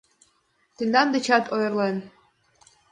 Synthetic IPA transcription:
t̪ĕnd̪ɑnd̪ĕt͡ɕɑt̪ojɤrlen

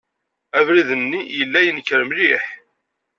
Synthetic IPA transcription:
ævɾiðənːijəlːæjənəkːɾəmliħ

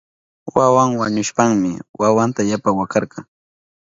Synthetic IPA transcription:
wawaŋwaɲʊʃpaŋmɪwawant̪ajapawakɑɾkɑŋ

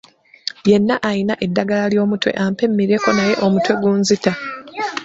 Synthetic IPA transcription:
je̞nːaʔajinaʔe̞dːaɡalaljo̞ːmutwe̞̰ʔampe̞mːiɾeko̞naje̞ʔo̞mutwe̞ɡuːnzita

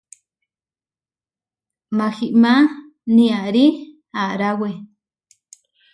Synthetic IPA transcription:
maxiʔma | nĩaʔɾi | aʔɾawe

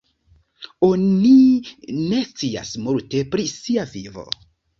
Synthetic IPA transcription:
onine̞st͡sia̰smulte̞pɾisiavivo̞̰

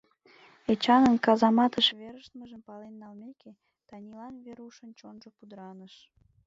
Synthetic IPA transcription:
et͡ɕɑnənkɑzɑmɑt̪əʃβeɾəʃt̪məʒəmpɑlenːɑlmeke | t̪ɑnʲilɑnβeɾuʃənt͡ɕonʒopud̪əɾɑnəʃ

